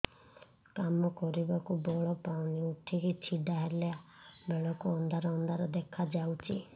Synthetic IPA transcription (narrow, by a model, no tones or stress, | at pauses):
kamɔkɔɾibakubɔɭɔpawniuʈʰikit͡ʃʰiɖaɦeleabeɭɔkuɔnd̪ʱaɾɔɔnd̪ʱaɾɔd̪ekʰad͡ʒawt͡ʃʰi